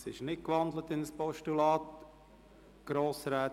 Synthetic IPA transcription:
sɪʃnɪt̚kʋɑnd̪lət̪ɪnəspɔʃtulɑːt | ɡ̥ɾoːsɾɛːt

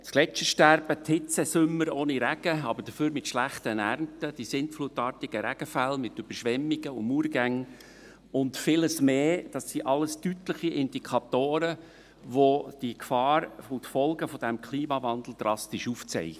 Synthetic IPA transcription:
t͡sklɛt͡ʃəʃtæɾb̥ətʰhɪt͡səsʏmːəɾoːniɾæɡ̥əɑbəɾd̥əføːɾmɪtʃlæχtənæɾmtəd̥isɪntflutɑːtiɡ̥əɾæɡ̥əfælmɪtyb̥əɾʃʋɛmːiɡ̥əʊmuːɾɡæŋ | ʊntfɪləsmeːd̥ɑsːiʔɑləstytləχiʔɪnd̥ikʰɑt̪oːɾə | ʋod̥ikfɑːɾfotfɔlɡəfɔd̥æmkʰliːmɑvɑnd̪l̩ˠd̥̪ɾɑstiʃuft͡sɛ̰j

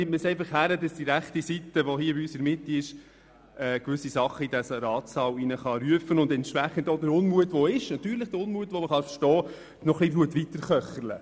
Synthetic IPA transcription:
ɪtməsɛɪfɑχhæɾədɑsd̥iɾæχtisitəʋɔɦiːbiysəɾmɪtːiɪʃ | ɛːkʋʏsːisɑχːəidæsɾɑːtsɑwinəχɑɾyəfənʊndɛntʃʋæχəntɔdəɾʊnmuətʋɔɪʃnɑt̪yːɾləχd̥əɾʊnmuətʋɔməχɑnfəɾʃtɔː | nɔχlibɾuətʋitəɾχœχələ̰

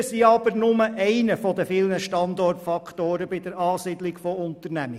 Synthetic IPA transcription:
siɑb̥əɾnʊməʔɛɪnəfɔd̪əfɪlnəʃtɑnd̪ɔrtfɑkʰt̪oːɾəbɪd̪əɾɑːsiːd̥̪lɪkfɔʊnt̪əɾnæmɪ

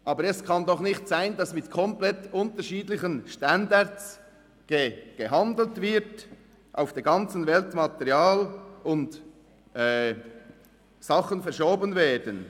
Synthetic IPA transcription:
ʔɑːbəɾɛskʰɑndɔχnɪxtsaɪndɑsmɪtkʰɔmplɛtʊntəɾʃiːdlɪçənʃtɑndaɾts | ɡ̥eɡ̥əɦɑndl̩tvɪɾt | ʔa̰ʊfd̥eːɡɑnt͡sən̩vɛltmɑtɛʁjaːlʊnd | ʔɛː | sɑχənfɛɐɾʃoːbənvɛːdən

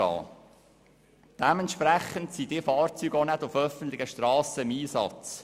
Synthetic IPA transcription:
ɑ̰ː | d̥ɛmɛntʃpɾæχəntsidɪfɑːɾt͡syːɡonædʊfœfən̩t̪lɪɡəʃtɾɑːsəɪmiːsɑ̰t͡s

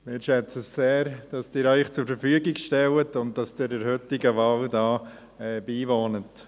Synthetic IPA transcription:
mɪːɾʃɛt͡səsseːɾd̥ɑsd̥ɪːɾœʏxt͡sʊɾfəɾfyəɡɪɡʃtɛwətʊnt̚d̥ɑsd̥ɪːɾəɾhʏtɪɡəʋɑldɑː | ɛːbiːʋoːnət

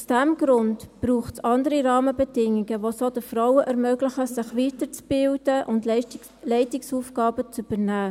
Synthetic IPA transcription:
usd̥æmɡ̥ɾʊntb̥ɾuːχtsɑndəɾiɾɑːməbɛdɪŋiɡəʋosod̥əfɾawəʔɛɾmøɡlɪχəsɪχʋiːtəɾt͡sb̥ɪldəʔʊnd | lɛɪtɪksuːfɡ̥ɑːbət͡syb̥əɾnæː

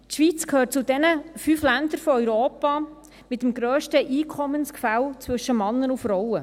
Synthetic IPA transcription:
tʃʋit͡skʰhøːrt̚t͡sʊdɛnəfyːflænd̪əɾfɔœʏɾoːpɑ | mɪt̪əmɡ̥ɾøːʃtəʔiːkʰɔmənskfælt͡sʋɵʃəmɑnːənufɾɔwə

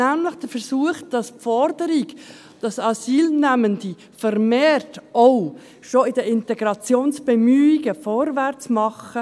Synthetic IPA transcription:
æmləχd̥əfəɾsuəχd̥ɑspfɔɾdəɾɪɡ | d̥ɑsɑsiːlnæməndi | fəɾmeːɾtoʊ | ʃoɪd̥əɪntɛɡɾɑt͡sjoːnsb̥ɛmyːiɡəfɔɾvært͡smɑχə

